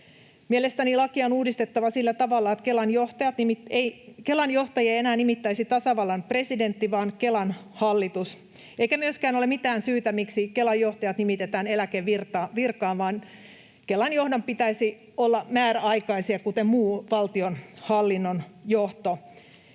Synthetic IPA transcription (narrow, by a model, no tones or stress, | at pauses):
mielest̪ænilɑkiɑonuːdist̪et̪ːɑʋɑsilːæt̪ɑʋɑlːɑet̪kelɑnjoht̪ɑjɑt̪nimieikelɑnjoht̪ɑjiɑienæːnimit̪ːæisit̪ɑsɑʋɑlːɑnpre̞sident̪ːiʋɑːnkelɑnhɑlːit̪us | eikæmyøskæːnolemit̪æːnsyːt̪æmiksikelɑjjoht̪ɑjɑt̪nimit̪et̪æːnelækeʋirt̪ɑʋirkɑːnʋɑːn | kelɑnjo̞hdɑmpit̪æisi | olːɑmæːɾæɑikɑisiɑkut̪emmuːʋɑlt̪ionhɑlːinːonjoht̪o